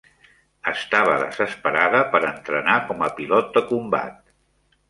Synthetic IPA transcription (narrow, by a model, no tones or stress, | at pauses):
əst̪aβ̞əðə̰zəspəɾaðəpəɾənt̪ɾənakɔməpilɔt̪̚d̪əkumba̰t̪̚